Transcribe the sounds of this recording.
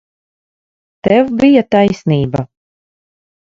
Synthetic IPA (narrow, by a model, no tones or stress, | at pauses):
t̪ɛwbijat̪ajsʲniːba